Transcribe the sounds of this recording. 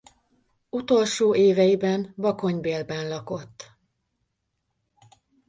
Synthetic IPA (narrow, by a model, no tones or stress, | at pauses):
ut̪o̞lʃoːʔeːvɛjibɛnbɒko̞ɲbeːlbɛnlɒko̞t̪ː